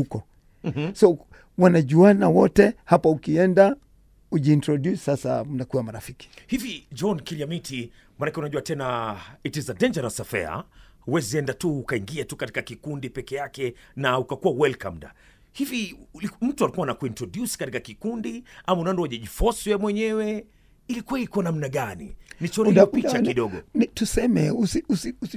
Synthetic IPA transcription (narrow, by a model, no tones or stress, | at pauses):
hukɔ | sɔ | wanaʄuanawɔtɛhapaukiɛnda | uʄiːntɾɔdjussasa̰unakuwamaɾafiki̥hivid͡ʒɔnkiliamitʰi | manakɛunaʄuatɛnaitizadɛɲd͡ʒɛɾasafɛ̰a̰wɛziɛndatuːkaiŋɡiatukati̥kakikundipɛkɛjakɛ | naukakuwawɛlka̰m̩da̰ | hivilm̩tualikuwanakwintɔdjuskatikakikundiamaunaɔndɔaʄaʄifɔswɛmwɛɲɛwɛ | ilikwɛlikuanam̩naɠanḭnit͡ʃɔɾipit͡ʃakiɗɔɠɔnitusɛmɛusiusius